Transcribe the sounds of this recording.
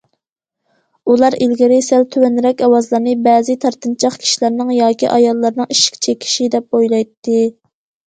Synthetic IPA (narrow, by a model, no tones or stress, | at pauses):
ulˠɑɾilɡʲiɾɪsælt̪ʰøwɛnɾɛkʲɑwɑzlˠɑɾnɨbɛːzɨt̪ʰɑɾt̪ɨnt͡ʃʰɑχkʲʰi̥ʃilæɾnɪŋjɑːkʲiʔɑjɑlˠːɑɾnɨŋiʃi̥kʲt͡ʃʰekʲʰi̥ʃid̪ɛp̚bojlˠɑjt̪ːɨ